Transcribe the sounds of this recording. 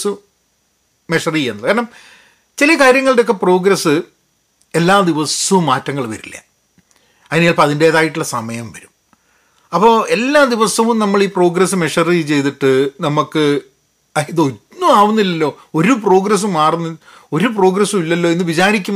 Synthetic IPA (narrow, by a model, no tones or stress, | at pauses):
su | me̞ʂɐrienːɐkaːɾɐɳɐm | t͡ɕilɐkaːɾjɐŋːɐɭɖeo̞kːe̞pro̞ːɡɾɐsːɨ | e̞lːaːd̪iʋɐsɐʋumːaːtːɐŋːɐɭʋɐ̰ɾilːɐ̰ | ɐðinijaːɭpɐɐðinde̞ːðaːjiʈːuɭːɐsɐmɐjɐmʋɐɾum | ɐpːo̞ːe̞lːaːd̪iʋɐsɐʋumnɐmːɐɭiːpro̞ːɡɾɐsːɨme̞ʂɐrit͡ɕe̞jt̪iʈːɨnɐmukːɨ | ɐjiðonːumaːʋunːilːɐlːo̞ː | o̞ɾupro̞ːɡɾɐs̬umaːrunːi | o̞ɾup̬ro̞ːɡɾɐsumilːɐlːo̞ːinːɨʋit͡ɕaːɾikʲːum